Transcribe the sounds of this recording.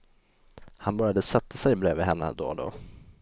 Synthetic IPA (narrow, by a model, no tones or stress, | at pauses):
hanbœɾjad̪əsɛt̪ʰːasɛjbleːvɪɦɛnːə̰d̪o̰ːd̪o̰ː